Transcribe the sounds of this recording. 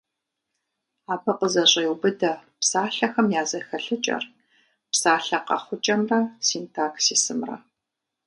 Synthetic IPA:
aːbʰɐqəzɐɕʼewbɨdɐpsaːɬɐxɐmjaːzɐxɐɬɨt͡ʃʼɐ̰r | psaːɬɐqɐ̰χʷʊt͡ʃʼɐmrɐsiːntʰaːksiːsɨmrɐ̰

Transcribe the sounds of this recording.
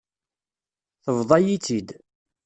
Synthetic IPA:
θəvðˤɑjit͡sːid̪

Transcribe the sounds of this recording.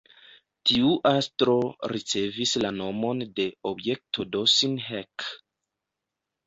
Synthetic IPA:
tiuʔastɾo̞ɾit͡se̞vislano̞mo̞nde̞obje̞k̚tʰodosinɦek

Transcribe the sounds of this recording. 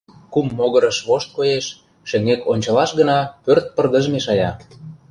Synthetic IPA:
kumːoɣə̆ɾə̆ʃβoʃt̪̚kojeʃ | ʃĕŋekonʲt͡ɕɑlɑʃɡə̆nɑpørt̪̚pərd̪əʒmeʃɑjɑ

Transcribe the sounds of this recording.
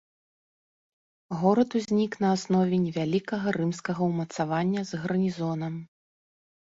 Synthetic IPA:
ɣɔɾɐt̪uzʲnʲiknɐasnɔvʲɛnʲɛvʲalʲikɐɣɐɾɨmskɐɣɐwmɐt̪savanʲːɐzɣɐɾnʲizɔnɐm

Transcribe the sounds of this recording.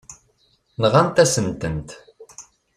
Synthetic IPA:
nʁant̪æsəmt̪ənt̪

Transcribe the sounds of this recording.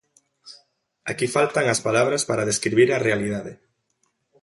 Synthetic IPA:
a̰kifalt̪aŋaspalaβ̞ɾaspaɾaðeskɾiβiɾarealiðaðɪ

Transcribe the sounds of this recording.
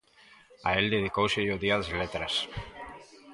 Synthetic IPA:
aeld̪eð̞ikowsejoðiaðezlet̪ɾas

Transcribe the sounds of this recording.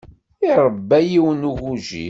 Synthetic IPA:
iɾˤəbːæjiwənuʝuʒḭ

